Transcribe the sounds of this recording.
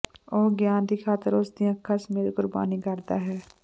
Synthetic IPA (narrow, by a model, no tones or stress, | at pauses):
oːɡjaːnɾiːkʰaːt̪əɾʊsd̪ijãkʰəsmeːɾɡʊɾba̰ːnikəɾd̪aːɦɛː